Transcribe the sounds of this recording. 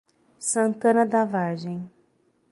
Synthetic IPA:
sɐ̃nt̪ɐ̃nɐd̪avaɾʒẽj̃

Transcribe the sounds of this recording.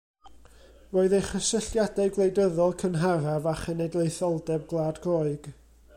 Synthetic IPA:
voːɨðejχəsəɬjadaɡlˠejdəðɔlˠkʰənɦaɾavaχənɛjdlˠejθɔlˠdɛb̚ɡlˠaːdɡoːɨɡ̥

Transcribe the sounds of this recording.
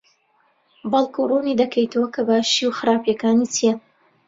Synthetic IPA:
bɐlˠkʰurunid̪ɐkʰɐjt̪ʰɐwɐkʰɐbaʃiwxɨɾaːpjɐkaːnit͡sʰijɛ

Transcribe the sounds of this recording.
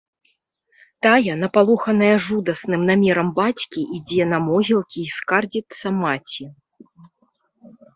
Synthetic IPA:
t̪ajɐnɐpalˠɔxɐnɐjɐʐud̪ɐsnɨmnamʲɛɾɐmbat͡sʲkʲiʔid͡zʲɛnɐmɔɣʲilˠkʲiːskard͡zʲit̪sːɐmat͡sʲi

